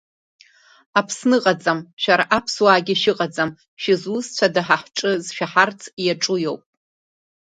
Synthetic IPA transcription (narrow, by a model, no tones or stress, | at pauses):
apʰsnɨqʼad͡zʼamʃᶣaɾaʔapʰswaːɡʲɪʃɪqʼad͡zʼam | ʃɪzwʊzt͡ɕʷʰadaħaħʈ͡ʂʼɨzʃᶣaħart͡sʰjaʈ͡ʂʼujowpʼ